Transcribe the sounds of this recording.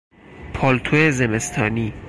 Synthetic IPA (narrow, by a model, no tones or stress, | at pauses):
pʰɒːlt̪ʰoezeme̞st̪ʰɒːniː